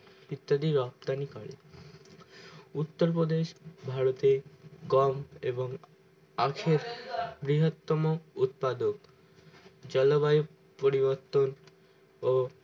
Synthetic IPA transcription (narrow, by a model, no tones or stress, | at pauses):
it̪ːad̪iɾɔp̚t̪anikaɽḭ | ut̪ːoɾpod̪eʃbʱaɾot̪eɡɔmeboŋ | akʰeɾbɾiɦot̪ːɔmout̪̚pad̪ok̚ | d͡ʑɔlobajo | poɾiboɾt̪on | o